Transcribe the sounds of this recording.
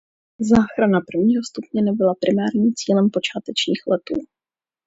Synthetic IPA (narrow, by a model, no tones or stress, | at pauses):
zaːxɾanapr̩vɲiːɦo̞st̪upɲɛnɛbɪlapɾɪmaːɾɲiːmt͡siːlɛmpo̞t͡ʃaːt̪ɛt͡ʃɲiːxlɛt̪ṵː